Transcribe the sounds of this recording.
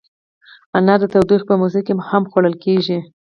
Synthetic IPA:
anːɑd̪ət̪awd̪ixpəmuzɪkemhamxwaɽəlkeʒi

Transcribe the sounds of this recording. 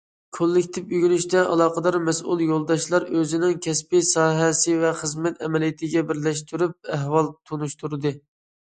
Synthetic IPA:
kʰolːɪkʲt̪ʰɪpyɡʲynyʃt̪ɛʔɑ̰lˠɑːqəd̪ɑɾmɛsṵlˠjolˠd̪ɑʃlˠɑɾøzɪnɪŋkʲʰɛspɪsɑːɦɛsɪvɛχəzmɛt̪ɛmɛlijit̪ʰɪɡʲɛbɪɾlɛʃt̪ʰyɾyp̚æɦwɑlˠt̪ʰunuʃt̪ʰuɾɨd̪ɨ

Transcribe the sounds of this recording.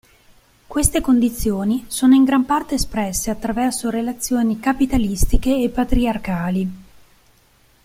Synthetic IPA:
kwest̪ekond̪it̪sːjoːnisoːnoiŋɡɾampart̪eːspɾɛsːeat̪ːɾavɛrsoɾelat̪sːjoːnikapit̪alist̪ikeːpːat̪ɾiarkaːli

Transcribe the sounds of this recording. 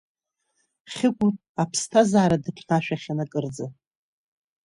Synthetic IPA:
χʲɪkʷʼuapʰstʰazaːɾadɨpʰnaʃᶣaχʲanakʼɨrd͡za

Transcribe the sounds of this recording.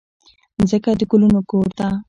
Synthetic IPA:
zəkad̪əkʊlunokoːɾt̪a

